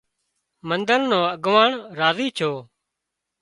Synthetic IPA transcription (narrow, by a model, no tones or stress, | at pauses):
mənd̪əɾnõːəɡʋaːɳɾaːziːt͡ʃʰoː